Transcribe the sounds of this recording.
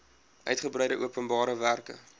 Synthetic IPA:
ʔœɥtχəbrɛjdəʔuəpənbɑːɾəværkə̰

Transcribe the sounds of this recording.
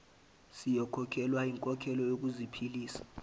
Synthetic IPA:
sijɔkʰɔkʰɛlwaiŋkʼɔkʰɛlɔjok̬ʼuzipʰiliːsḁ

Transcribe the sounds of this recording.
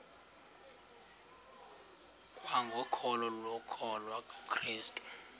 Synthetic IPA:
kʼwaŋɡʱɔkʰɔlɔlwɔkʰɔlwakʰriːstʼu̥

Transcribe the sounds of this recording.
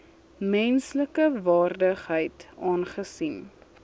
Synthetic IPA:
mɛnsləkəvɑːrdəχɦəjtɑːnχəsim

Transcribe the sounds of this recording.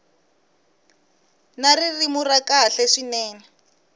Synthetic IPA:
naririmurakaɬɛʂinɛːnɛ

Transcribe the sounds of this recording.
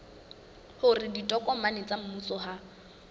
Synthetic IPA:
hʊrɪditʼɔkʼɔmanɪt͡sʼam̩musɔɦa

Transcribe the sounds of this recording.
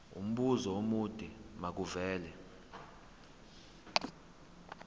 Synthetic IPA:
ṵm̩ɓuzɔomud̥ʱʼimak̬uvɛːlɛ

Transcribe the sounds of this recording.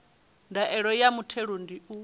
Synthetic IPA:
ndaʔɛɺɔjamutʰeɺundiu

